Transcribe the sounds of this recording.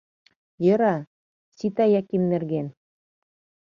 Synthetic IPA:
jɤ̆ɾɑ | sit̪æjækimnɘ̆rɡen

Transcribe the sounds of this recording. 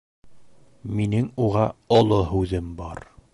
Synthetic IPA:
minɘŋuʁɑŏlˠoɦʉðɘmbɒɾ

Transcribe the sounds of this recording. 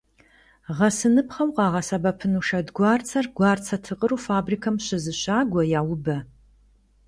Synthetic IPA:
ʁɐsɨnɨpχɐwqʼɑːʁɐsɐbɐpʰɨnuʂɐdɡʷɑːrt͡sʰɐrɡʷɑːrt͡sʰɐtʰɨqʼəɾuːfaːbriːkʰɐmɕɪzɨɕaːɡʷɔjaːwʊbɐ

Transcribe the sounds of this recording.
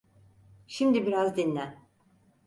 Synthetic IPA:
ʃimd̪ibiɾazd̪inːʲæ

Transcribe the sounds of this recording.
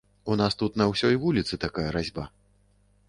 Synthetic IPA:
unast̪ut̪nɐwsʲɔjvulʲit̪sɨt̪akajɐɾazʲba

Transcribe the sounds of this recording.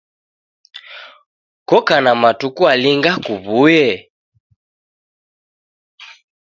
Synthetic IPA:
kɔkanamatukualiŋɡakuβujɛ

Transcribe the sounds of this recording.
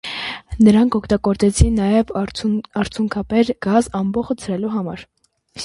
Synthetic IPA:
nəɾɑŋkʰɔkʰt̪ɑɡɔɾt͡sɛt͡sʰinːɑjɛvɑɾt͡sʰjuŋkʰɑpɛɾɡ̥ɑzɑmbɔχət͡sʰɾɛluɦɑmɑ̰ɾ

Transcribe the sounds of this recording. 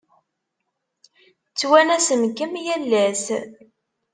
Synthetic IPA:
t͡sːwænæsəmkəmjælːæs

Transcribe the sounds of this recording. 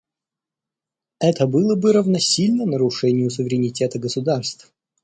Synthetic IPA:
ɛt̪əbɨlˠəbɨɾəvnɐsʲilʲnənəɾʊʂɛnʲɪjʊsʊvʲɪɾʲɪnʲɪtʲe̞t̪əɡəsʊd̪arst̪f

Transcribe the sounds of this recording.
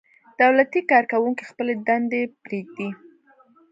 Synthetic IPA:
d̪̥awlat̪ikɑɾkawuŋkixpəled̪and̪ebɾeɡ̚d̪i

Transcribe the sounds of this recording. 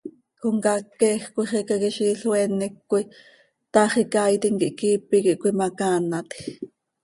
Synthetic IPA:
xoŋkɑkːɛxkʷiχɛkɑkiʃiːɬwɛnɛkːui | t̪ɑχikaːjt̪iŋkiʔkiːpikiʔkʷːimakanat̪x

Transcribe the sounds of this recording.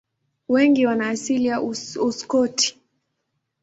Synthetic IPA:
wɛŋɡiwanaːsilijaʔuuskɔtʰi̥

